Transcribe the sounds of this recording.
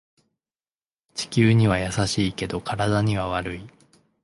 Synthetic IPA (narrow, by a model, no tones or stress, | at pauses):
t͡ɕi̥kʲɨːɲ̟iβajasaɕiːke̞d̪o̞kaɾad̪aɲ̟iβaβaɾɯ̟i